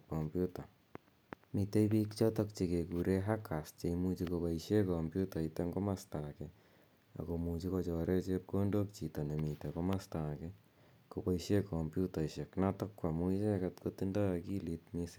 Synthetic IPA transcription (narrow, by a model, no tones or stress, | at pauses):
kɔmpjuta | miteipikt͡ʃɔtɔk̚t͡ʃekekuɾeɦakʰast͡ʃeimut͡ʃikobaiʃjekɔmbjutaiteŋɡomastakɛ | a̰komut͡ʃikot͡ʃɔɾʔet͡ʃep̚kondok̚t͡ʃitɔnemitekomastakɛ | kopaiʃjekɔmpjutaiʃeknatɔkːwamuit͡ʃekatkotindɔjakilit̚mise